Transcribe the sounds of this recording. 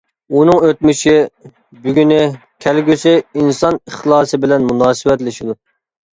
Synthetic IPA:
unɨŋøt̪̚myʃi | byɡʲynɪ | kʲʰɛlɡʲysɪinsɑnəχlˠɑːsɨbɪlɛnmunɑːsɨwɛt̪lɪʃid̪u

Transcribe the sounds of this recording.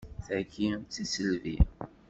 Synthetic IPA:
θækːit͡sːisəlvḭ

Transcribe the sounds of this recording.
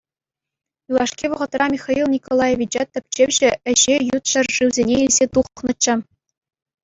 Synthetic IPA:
julˠɑʂkʲiʋɤ̆ʁɤ̆t̪rɑmʲiχɑilˠnʲikolˠɑjeʋʲit͡ɕɑt̪ɘ̆p̚ʲt͡ɕeʋʲʑɘ̆ɘ̆ʑejut̪ɕɤ̆rʐɯwzʲenʲeilʲzʲet̪uχχnɤ̆t͡ɕːɤ̆

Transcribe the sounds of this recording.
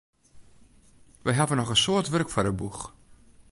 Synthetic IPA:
ʋəjɦavənɔχənsoːətʋørəkfɔrdəbux

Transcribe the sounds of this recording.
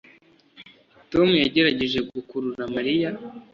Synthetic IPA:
to̞mujaɟe̞ɾaɟe̞ʒe̞ɡukuɾuɾamaɾija

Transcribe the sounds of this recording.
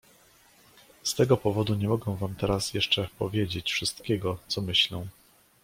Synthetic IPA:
st̪ɛɡɔpɔvɔd̪uɲɛmɔɡɛw̃vamt̪ɛɾasjɛʂt͡ʂɛpɔvʲjed͡ʑet͡ɕfʂɘst̪kʲɛɡɔt̪sɔmɘɕlɛ̃

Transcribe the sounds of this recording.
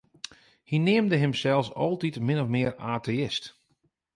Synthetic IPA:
hinɪːmdəɦɪmsɛlˠsɔlˠtitmɪnɔfmɪəraːtʰeɪst

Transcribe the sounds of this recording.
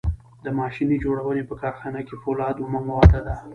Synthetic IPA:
d̪əmɑʃinid͡ʒoɽawənepəkɑɾxɑnakefolɑd̪omaŋlawad̪ad̪a

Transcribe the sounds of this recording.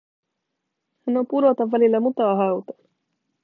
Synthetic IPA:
hænːo̞mpuɾo̞t̪ɑʋːælilːæmut̪ɑːɦɑwt̪ɑ̥

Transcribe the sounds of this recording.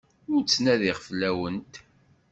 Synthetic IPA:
ʊɾt͡sːnæðɪʁflæwənt̪

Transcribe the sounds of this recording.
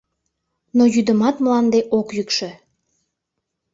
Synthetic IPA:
nojyd̪əmɑt̪mlɑnd̪eʔokjykʃə̆

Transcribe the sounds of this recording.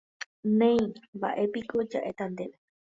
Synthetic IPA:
nẽj̃mba̰ʔe̞pikʰo̞d͡ʒaʔe̞t̪ãnd̪e̞ʋe

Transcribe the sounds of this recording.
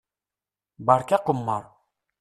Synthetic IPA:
baɾkʲæqʊmːɑɾ

